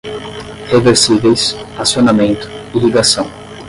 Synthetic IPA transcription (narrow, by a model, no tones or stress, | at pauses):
ʁeveɾsivejsasjonamẽnt̪ʊ̥iliɡasɐ̃w̃